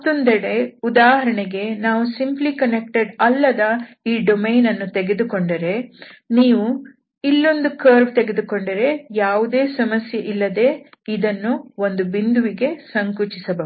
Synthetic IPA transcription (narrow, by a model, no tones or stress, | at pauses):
ɐt̪ːond̪ɐɽeud̪aːɦɐɾɐɳɛɡe̞naːʋusimplikɐnek̚ʈeɖɐlːɐd̪ɐ | iːɖomejnɐnːut̪eɡe̞d̪uko̞ɳɖɐɾe̞niːʋu | ilːo̞nd̪ukɐːɾbt̪eɡed̪uko̞ɳɖɐɾe̞jaːʋud̪e̞ːsɐmɐsjeʔilːɐd̪e̞ːid̪ɐnːuo̞nd̪ubind̪uʋiɡe̞sɐŋkut͡ʃisɐbɐ